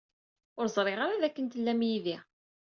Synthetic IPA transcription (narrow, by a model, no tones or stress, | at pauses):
ʊɾzˤɾˤeʁaɾaðækːənt̪əlːæmjiði